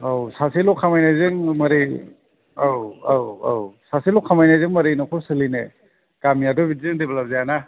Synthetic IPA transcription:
awsasilɔkʰːamajnazɯŋmɐɾi | awawa̰wsasilɔkʰamajnazɯŋmɐɾinakʰɔɾsɯline | kamiadɔbitzɯŋdeblap̚zajana

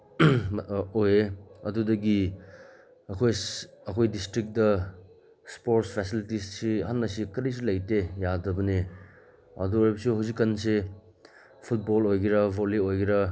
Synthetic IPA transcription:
ojeɐdudɐɡi | ɐkʰojɐkʰojdistɾik̚dɐ | spoɾtspʰesilitissiɦɐnːɐsikɐɾijs̬ilɐjtejadɐbɐne | ɐ̰duoɾipsuɦawzikːɐnse | pʰut̚bolojɡiɾɐbʱoliojɡiɾɐ

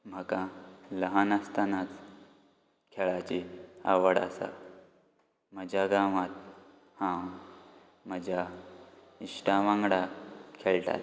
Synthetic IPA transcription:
m̤əkãləɦanast̪anat͡s | kʰɛɭat͡ɕia̰ʋəɽa̰sa̰ | m̤əd͡ʑʱaɡaʋat̪ | hã | m̤əd͡ʑʱa | iʂʈaʋãŋɡɽakʰeɭʈa̰l

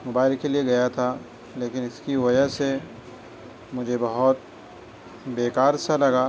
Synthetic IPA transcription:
mʊbaːɪlkːelieɡɐjat̪ʰa | leːkɪnɪskiʋɐd͡ʒəɦse | mʊd͡ʒʱebɐɦʊt̪̚ | beːkaːɾsalɐɡaː

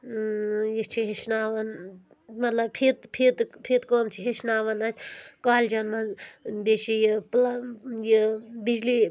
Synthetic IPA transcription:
jit͡ʃʰiɦiʃnaːʋɐn | mɐt̪lɐbpʰit̪pʰit̪pʰit̪komt͡ʃʰiɦeʃnaːʋɐnasʲkaːld͡ʒɐnːɐbeʃijiplajibid͡ʒli

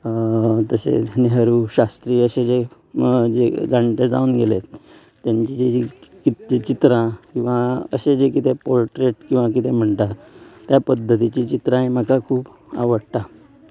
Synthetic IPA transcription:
t̪əsḛneɦəɾuːɕast̪ɾiːəsed͡ʑe | d͡ʑed͡zaɳʈed͡zauːnɡelet̪ | t̪ːjaɲt͡ɕid͡ʑeikit̪et͡ɕit̪ɾãkĩw̃ʋaə̰sed͡ʑekit̪ʰepoɾʈɾeʈkĩw̃ʋakit̪ʰem̤əɳt̪at̪japəd̪ʱːət̪it͡ɕit͡ɕit̪ɾãɦem̤əkakʰuːp | a̰ʋəɽt̪a

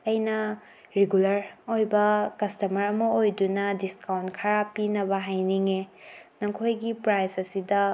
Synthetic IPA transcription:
ɐjnɐ | ɾeɡulɐɾojbɐkɐstɐmɐɾɐmɐojdunɐdiskawntkʰɐɾapinɐbɐɦajniŋenɐŋkʰojɡipɾajsɐsidɐ

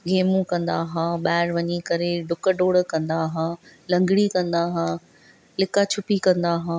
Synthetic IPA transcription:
ɡʱeːmũkɐ̃nd̪aɦãːɓaːɪɾʋɐɲikɐɾeɖʊkəɖoːɽ̆kɐ̃nd̪aɦãːlɐ̃ŋɡɪɽikɐ̃nd̪aːɦãː | lɪkat͡ɕʰʊpikɐ̃nd̪aːɦãː

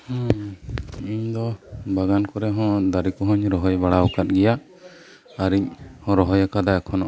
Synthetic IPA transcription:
hɔ̃ | iɲd̪ɔbaɡankɔɾɛɦɔ̃d̪aɾikɔɦɔɲɾɔɦɔjbaɽawkat̪̚ˀɡɛjaː | ɾiɲhɔ̃ɾɔɦɔjakad̪aɛkʰɔnɔʔ

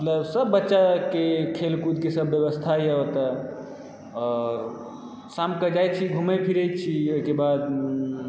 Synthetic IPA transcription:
mət̪ləbsəbːətːʃakekʰelkud̪̚kesəbjəβəst̪ʰajəot̪ə | ɔ | samkəd͡ʒaj̪t͡ʃʰiɡʱumepʰiɾət͡ʃʰioikebad̪

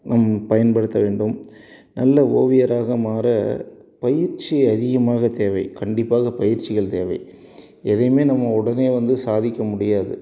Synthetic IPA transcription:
nɐmːɐpɐjɐnpɐɽɯt̪ːɐʋeːɳɖɯmnɐlːɐoːʋɪjɐɾaːɣɐmaːɾɐpɐjɪɾt͡ʃːɪɐðɪɣɐmaːɣɐt̪eːʋɐɪkɐɳɖɪpːaːɣɐpɐjɪɾt͡ʃɪɣɐɭt̪eːʋɐɪ | ɛðɐjmeːnɐmːɐʊɽɐneːʋɐnd̪ɯsaːðɪkʲːɐmʊɽɪjaːðɯ̰

